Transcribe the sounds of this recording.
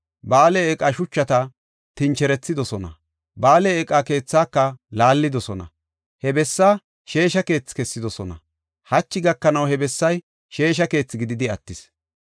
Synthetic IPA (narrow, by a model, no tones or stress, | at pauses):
baːleɛkʼɐʃʊt͡ʃːɐt̪ɐ | t̪ɪnt͡ʃɛɾɛt͡sːɪd̪ɔsɔnɐ̰ | baːleːkʼake̞ːt͡sːaːkːɐlaːlːɪd̪ɔsɔnɐ̰ | hɛbɛsːaː | ʃe̞ːʃɐke̞ːt͡sːɪ̥kɛsːɪd̪ɔsɔnɐ̰ | hɐt͡ʃːɪɡɐkːɐnɐwhɛbɛsːɐj | ʃe̞ːʃ̬ɐke̞ːt͡sːɪɡɪd̪ɪd̪ɪɐt̪ːɪs